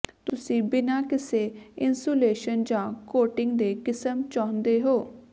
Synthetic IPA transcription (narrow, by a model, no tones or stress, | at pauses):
t̪ʊsĩːbɪnaːkɪseːɪnsoːleːʃənd͡ʒãːkoːʈɪŋɡd̪eːkɪsəmt͡ʃaːʊnd̪eːɦoː